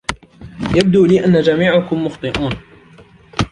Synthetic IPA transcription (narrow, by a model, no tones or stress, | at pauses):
jab̚d̪uːliːʔanːad͡ʒamiːʕakʊmːʊxt̪ˤɨʔuːn